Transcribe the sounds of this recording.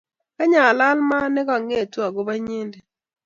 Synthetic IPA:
ka˦ɲa˨la˦lma˦nɛ˦ka˨ŋe˦˨twa˨ɡo˦ba˦ɲe˦nde˨

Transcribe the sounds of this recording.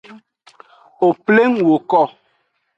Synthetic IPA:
o˨ple˦ŋwo˨kɔ˦˨

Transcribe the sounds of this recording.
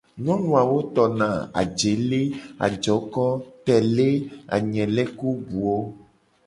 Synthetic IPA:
ɲɔ̃˦nũ˨a˨wo˦t̪ɔ˨nã˨a̰˨d͡ʒe˨le˦a̰˨d͡ʒɔ˨˦kɔ˦t̪ɛ˨le˦a̰˨ɲɛ̃˨lɛ˦ku˦bu˨o˦

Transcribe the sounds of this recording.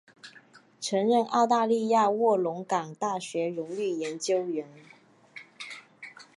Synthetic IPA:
ʈ͡ʂʰɤ˧˥ŋɻə˥˧nʔɑ˥˧ʊt̪a˥˧li˥˧ja˥˧wɔ˥˩lʊ˧˥ŋkɑ˨˩ŋt̪a˥˩ɕɥɛ˧˥ɻʊ˧˥ŋy˥˩jɛ˧˥nt͡ɕjo˥ʊɥɛ˧˥n

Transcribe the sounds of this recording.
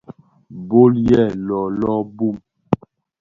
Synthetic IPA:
bo˦ljɛ˦˨lɔ˨lɔ˦bu˦˨m

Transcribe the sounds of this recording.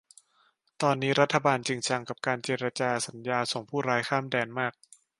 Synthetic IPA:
t̪ɔː˧nːiː˦˥ɾa˦˥t̪ʰːa˧baː˧nt͡ɕi˧ŋt͡ɕʰa˧ŋka˨˩p̚kaː˧nt͡ɕeː˧ɾa˧t͡ɕaː˧sa˩˦njaː˧so˨˩˦ŋpʰuː˥˩ɾaː˦˧jkʰaː˥˩mdɛː˧nmaː˥˩k̚

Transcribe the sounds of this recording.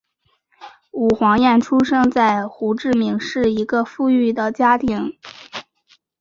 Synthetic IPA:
u˨˩xwɑ˧˥ŋjɛ˥˩nʈ͡ʂʰu˥ʂɤ˥ŋt͡sa˥˩ɪxu˧˥ʈ͡ʂɻ̩˥˩mi˨˧˩ŋʂɻ̩˥˩i˧˥ɡə˧fu˥˧y˥˩d̪ə˩t͡ɕja˥t̪ʰi˧˥˦ŋ

